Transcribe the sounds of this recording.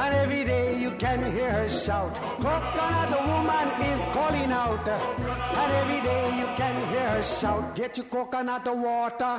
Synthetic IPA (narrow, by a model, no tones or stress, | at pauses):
ə̃nɛvɹideɪjɨkɨ̃nhiɹəʃaʊt̚ | kʰokə̃nət̪̚ðəwʊmə̃nɪzkʰɔlˠɪ̃ŋaʊt | ə̃nɛvɹideɪjɨkɨ̃nɦiɹəʃaʊt̚ɡ̥ɛt͡ʃɨkokə̃nət̪̚ðəwɔtə˞